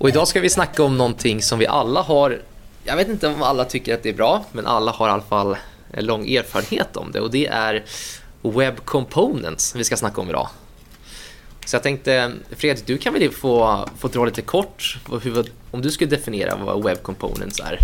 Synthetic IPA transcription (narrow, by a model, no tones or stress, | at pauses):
ʔɔɪd̪ɑːskavɪsnakːaɔmnɔnt̪ʰɪŋːsɔmvɪʔalːaɦaɾjɑ̰ɡveːt̪ɪnt̪əɔmalːat̪ʰʏkːəɾat̪̚d̪ɛæɾbɾɑːmɛnʔa̰lːahaɾalːafalː | ɛ̰nlɔŋːʔeːɾfɑːɾəɳhḛːt̪ʰɔ̰md̪ɛ̰ɔd̪ɛʔæɾ | wɛbːkʰɔmpʰoʊnə̰nt̪svɪskasnakːaɔmɪd̪ɑ̰ː | sɔjɑt̪ʰɛŋk̚t̪əfɾeːd̪ɪɡ̚d̪ɵkʰanvɪlfoːfoːd̪ɾɑːliːt̪əkʰɔʈːɦɵv | ɔmd̪ɵskɵləd̪ɛfɪnɪḛːɾa̰va̰wɛbːkʰɔmpʰo̰ːnə̰nt̪sæ̰ɾ